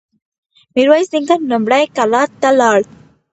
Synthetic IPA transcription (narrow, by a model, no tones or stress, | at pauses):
miɾʋajsd̪iŋkanəmbɽajkalat̪alaɽ